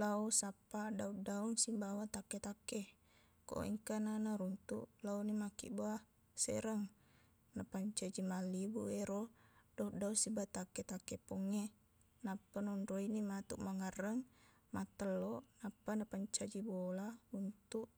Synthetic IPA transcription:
lausapːadaudauŋsimbawat̪aket̪akːe | ko̰ʔʔḭŋkananaɾunt̪ṵʔlaunimakḭʔboa | sḛɾəŋ | napaɲt͡ʃad͡ʒimalibṵeɾodaudausibat̪akːet̪akːepɔŋːe | napːanuundoinimat̪uʔmaŋərːəŋ | mat̪əlːɔʔnapːanapaɲt͡ʃad͡ʒibolaunt̪uʔ

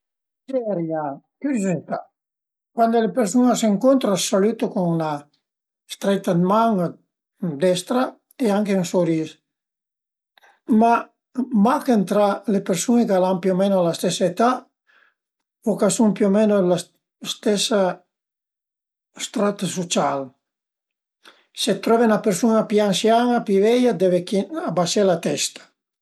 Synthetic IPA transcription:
d͡ʒɛɾja | kyzzit̪a | kwand̪olepeɾsunaseŋkont̪ɾasalyt̪okoŋuna | st̪ɾɛt̪ːad̪maŋ | d̪ɛst̪ɾa | eaŋkeunsoɾis | ma | makent̪ɾalepeɾsunekalampiomenoalast̪ɛsaet̪a | okasumpjomenola | st̪ɛsa | st̪ɾat̪asot͡ʃal | set̪ɾɔvenapeɾsunapiaŋsjanapivɛjad̪evekiabaselat̪ɛst̪ḁ

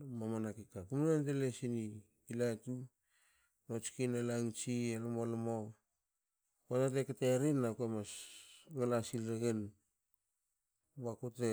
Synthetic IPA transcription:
mamanakikakumunantelesini | kilatu | not͡ʃi̥kinelaŋt͡ʃielomolmo | kotateketeɾinːakemasŋalasilɾeɡen | βakute

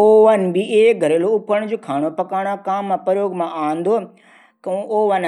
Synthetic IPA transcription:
oːʋənbiʔeeɡʱɐɾeːloʊpəɽ̃d͡ʑoːkʰaːɽ̃opɐkaːɽ̃akaːmːãpɐɾjoːɡmãʔaːə̃nd̪oː | kɐ̃oːʋən

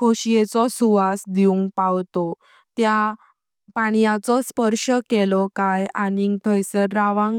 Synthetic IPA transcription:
koɕijet͡sɔsuʋasd̪iuŋɡpawt̪ɔ | t̪ja | paɽ̃jãt͡sɔspəɾʂəkelɔkajaniŋt̪ʰɔjsəɾaʋãŋ

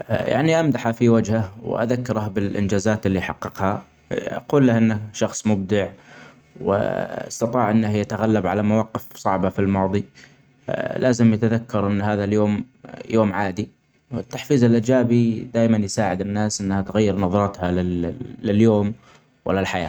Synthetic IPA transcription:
ja̰ʕniʔamd̪aħafiwad͡ʒhaw̰ʔa̰ðakːɪɾabɪlʔɪ̰nd͡ʒaːzaːt̪ʔɪlːiħɑqːɨqha | ʔɑ̰quːlːahʔɪnːaʃɑxsˤmʊb̚d̪ɪʕ | wɪ̰ɑ̰st̪ɑt̪ˤɑːʕʔɪnːahjat̪aɣalːabʕalamawɑːqɪfsˤɑʕbafilmɑːðˤi | lʔaːzɪmjat̪aðakːɑɾˤʔɪnːɦaːðaljoːm | joːmʕaːd̪i | wɪt̪ːaħfiːzɪlʔɪd͡ʒaːbid̪aːjmanjsaːʕɪd̪ɪnːaːsʔɪnːhat̪ɣajːɪɾnɑðˤɑɾˤɑt̪halɪɪljoːm | wɪ̰lːalħaja̰ː

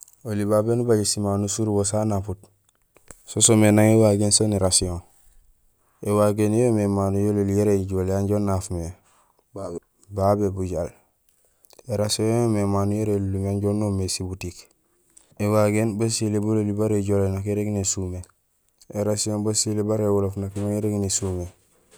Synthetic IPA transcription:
olibabenubaɟesimanusuɾbosanaput | sosomenaŋewaɡensoneɾasiõŋ | ewaɡenjomemaːnujololijeɾeɟoleaɲɟonːafume | babebuɟal | eɾasiõjomemaːnujeɾelulumaɲɟonomesibutik | ewaɡenbasilebololibaɾeɟolenakeɾeɡnesume | eɾasiõnbasilebaɾewolofnakimaŋeɾeɡnesume

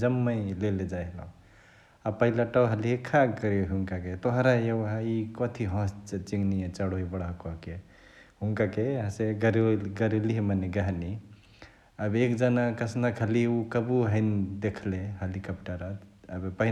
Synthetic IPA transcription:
d͡ʒəmːə̃jleled͡ʒajɦlã̰ | apəɦilaʈəɦəliekʰakəɾɦuŋkaket̪oɦɾajewɦaikɔt̪ʰiɦɔ̃st͡ʃt͡ʃiŋɡnijẽt͡ʃaɽoibəɽakɔɦke | ɦuŋkakeəseɡəɾeɡəɾeliɦmaneɡəɦni | əbekd͡ʒanakəsnakʰɦəliukəbuɦəɪnd̪ekʰleɦəlikəpʈəɾaəbpəɦi

